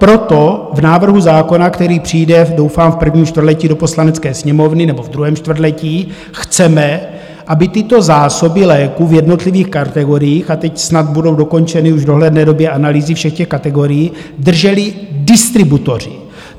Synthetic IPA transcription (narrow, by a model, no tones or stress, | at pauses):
pɾo̞t̪o̞vnaːvr̩ɦuzaːko̞nakt̪ɛɾiːpr̝̥ijdɛdo̞wfaːmfpr̩vɲiːmʃt̪vrlɛciːdo̞po̞slanɛt͡skɛːsɲɛmo̞vnɪnɛbo̞vd̪ɾuɦɛːmʃt̪vr̩dlɛciː | xt͡sɛmɛ | ʔabɪt̪ɪt̪o̞zaːso̞bɪlɛːkuvjɛdno̞t̪liviːxkaɾt̪ɛɡo̞ɾɪjiːxat̪ɛcsnat̪budo̞wdo̞ko̞nt͡ʃɛnɪuʒdo̞ɦlɛdnɛːdo̞bjɛʔanaliːzɪfʃɛxcɛxkat̪ɛɡo̞ɾɪjiːd̪r̩ʒɛlɪdɪst̪ɾɪbut̪o̞r̝ɪ̰